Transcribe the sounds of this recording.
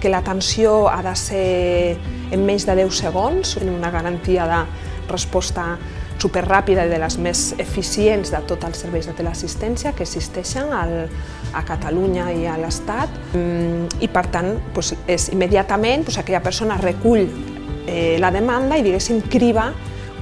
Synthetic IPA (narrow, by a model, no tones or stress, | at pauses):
kelat̪ensioa̰ðaseɾ | emːeɲzðəðɛwseɣ̞onsenimunaɣaɾant̪iaðə | rəspɔst̪a | supeɾrapiðaiðelazmezefisienzðət̪ot̪alˠseɾβɛjzðət̪elasist̪ɛnsjakesist̪ɛʃanal | akat̪aluɲaialəst̪at̪ | ipəɾt̪anpwesezimːeðjat̪amẽnpwosakɛʎapəɾsonarekuʎ | laðemand̪aiðiɣɛsimkɾiβ̞a